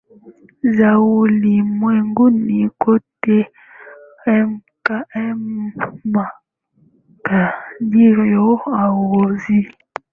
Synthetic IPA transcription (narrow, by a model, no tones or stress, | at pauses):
zawulimwɛŋɡunikote | ɛmkaɛ | ma | kadiɾɔawozi